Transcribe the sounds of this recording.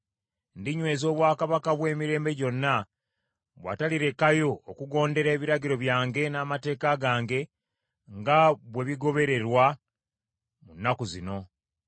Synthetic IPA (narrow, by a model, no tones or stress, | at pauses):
ndiɲwe̞ːzo̞ːβwaːkaβakaβwe̞ːmiɾe̞ːmbe̞ɟo̞nːa | βwa̰ːtaliɾe̞kajo̞okuɡo̞ːnde̞ɾe̞ːβiɾaɟiɾo̞βjaːŋɡe̞naːmate̞ːkaɡaːŋɡe̞ | ŋɡaβwe̞βiɡo̞βe̞ɾe̞ɾwa | munːakuzino̞